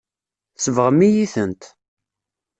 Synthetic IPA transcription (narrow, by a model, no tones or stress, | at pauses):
θsəvʁəmːijiθənt̪